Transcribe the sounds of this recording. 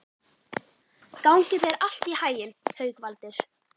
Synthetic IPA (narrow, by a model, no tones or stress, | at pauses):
kawŋcɪðɛɾal̥t̪ihaːjɪnhœɥkvalt̪ɪɾ̥